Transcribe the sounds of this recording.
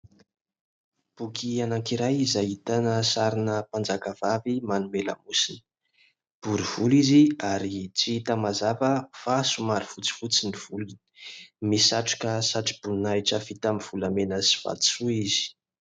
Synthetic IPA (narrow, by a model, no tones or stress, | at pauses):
b̥ukʰianaŋkiɾajizait̪anəsaɾinəpand͡zakav̥avimanumelə̰musini̥ | b̥uɾiv̥uliziaɾit͡siit̪amazavəfasumaɾifut͡si̥fut͡siniv̥ulini̥misaʈ͡ʂu̥kəsaʈ͡ʂi̥b̥unajʈ͡ʂəv̥it̪amiv̥ulamenəsi̥v̥a̰t͡suiz̥i̥